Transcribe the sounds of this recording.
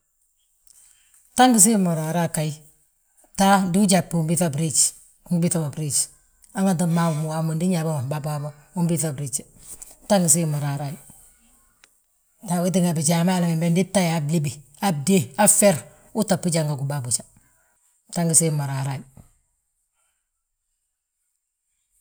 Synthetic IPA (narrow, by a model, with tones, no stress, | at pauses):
ta˦ŋɡi˦s̬i˦ma˨ɾa˨ɾa˦ka˨i | ta˦di˦u˦d͡ʒa˨pːu˦mbi˦θa˦bɾi˦t͡ʃ | u˦ŋɡbi˦ta˦ba˨bɾi˦t͡ʃ | a˦ŋa˦nt̬a˦ma˦wu˨mu˨wa˨mo˨ndi˦ɲa˨ba˦ma˨ba˨ba˦ma | u˦mbi˦θa˨bɾi˦t͡ʃ | ta˦ŋɡi˨s̬i˦ma˨ɾa˨ɾa˦ji | ta˨wi˦t̬i˦ŋa˨bi˨t͡ʃa˨ma˦˨la˨me˨mbe˦ndi˦tːa˦jabli˦bi˨ | a˦b̚de˦a˦fe˦ɾ | u˦ta˨pːi˦d͡ʒaŋɡa˨ɡu˨babu˨t͡ʃḁ | ta˦ŋɡi˨si˦ma˨ɾaɾa˦ji